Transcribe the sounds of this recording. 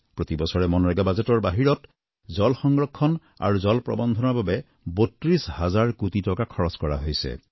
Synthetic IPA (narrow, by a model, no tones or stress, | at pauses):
pɹot̪ibɔsɔɹɛmɔnɹɛɡabazetɔɹbaɦiɹɔt | zɔlxɔŋɡɹɔkʰːɔn | a̰ɹuzɔlpɹɔ̰bɔnd̪ʱɔnɔɹbabe | botɹishazaɹkutitɔkakʰɔɹɔskɔɹa̰ɦojsɛ̰